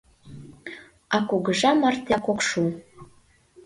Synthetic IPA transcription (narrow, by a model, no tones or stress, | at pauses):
ɑkuɡəʒɑmɑrt̪ʲakokʃu